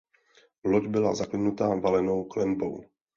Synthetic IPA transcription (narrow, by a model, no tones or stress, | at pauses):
lod͡ʒbɪlazaklɪnut̪aːvalɛno̞wklɛmbo̰w